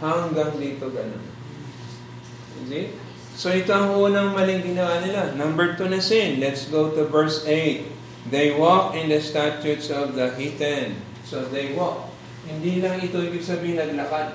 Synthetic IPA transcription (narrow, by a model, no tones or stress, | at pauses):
hɐŋɡaŋd̪iːt̪oɡɐno̰n | o̰ke | soʔɪt̪oɐŋʔuːnɐŋmɐlɪŋɡɪnɐwanɪlanɐmbəɹt̪unɐsĩnlɛt̪sɡot̪uvɛɹsejt̪̚ | d̪ejwɔkɪ̃nd̪ɐst̪at͡ʃut̪sɔvd̪ɐhit̪ɛn | sod̪ejwɔk̚ | hɪnd̪ilɐŋɪt̪oibɪɡsɐbiːhɪ̃nnɐɡlɐkad̪̚